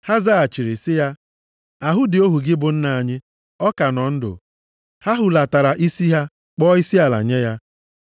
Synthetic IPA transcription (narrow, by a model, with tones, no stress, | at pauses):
ha˦za˦a˨t͡ʃi˨ɾi˨sɪ˦ja˦ | a˨ɦʊ˦dɪ˨o˦ɦu˨ɡɪ˦bʊ˨n̩˦na˨a˨ɲɪ˦ | ɔ˦ka˨nɔ˨n̩˦dʊ̰˨ | ha˦ɦʊ˨la˨ta˨ɾa˨ʔi˦si˦ɦa˦ | k͡pɔː˦i˦si˦a˨la̰˨ɲe˦ja˦